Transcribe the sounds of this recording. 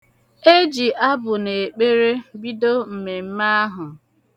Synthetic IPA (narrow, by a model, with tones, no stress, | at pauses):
e˦d͡ʒi˨ʔa˦bʊ˨ne˨e˨k͡pe˦ɾe˦bi˦do˦m̩˨me˨m̩˦ma˦a˦ɦʊ˨